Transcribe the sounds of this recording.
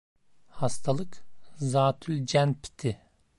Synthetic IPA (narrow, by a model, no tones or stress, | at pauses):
hɑst̪ʰalˠɯkzaːt̪ʰylʲd͡ʒænpʰi̥t̪ʰɪ